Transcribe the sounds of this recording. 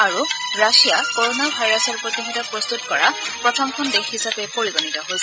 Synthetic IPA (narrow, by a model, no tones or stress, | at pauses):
aɹuɹasijakoɹonabʱajɹasɔɹpɹot̪ixitɔpɹɔst̪utkɔɹapɹɔtʰɔŋkʰɔndexhisapɛpoɹibonitɔɦolsɛ